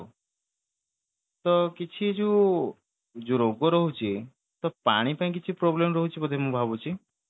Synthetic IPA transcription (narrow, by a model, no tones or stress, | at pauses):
t̪ɔkit͡ʃʰid͡ʒu | d͡ʒuɾoɡɔɾɔɦut͡ʃʰi | t̪ɔpa̰ɽ̃ipãĩk̬it͡ʃʰipɾoblemɔɾɔɦut͡ʃʰipɔd̪ʱemũbʱabut͡ʃʰi